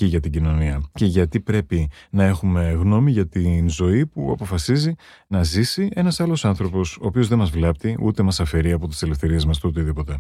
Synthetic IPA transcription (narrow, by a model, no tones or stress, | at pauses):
iʝɐt̪iɟino̞niɐce̞ʝɐt̪ipɾe̞pinɐe̞xume̞ɣno̞miʝɐt̪inzo̞ipuɐ̰po̞fɐsizi | nɐzisie̞nɐsɐlo̞sɐnθɾo̞po̞so̞ːpio̞zðe̞mɐzvlep̚t̪iut̪e̞mɐsɐfe̞ɾiɐpo̞t̪i̥se̞le̞fθe̞ɾie̞zmɐst̪ot̪iðipo̞t̪e̞